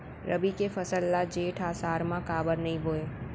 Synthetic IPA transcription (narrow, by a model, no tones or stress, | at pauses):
ɾɐbikefɐsəlːad͡ʒeːʈʰaːsaːɾmãkaːbəɾnɐɦĩboːeː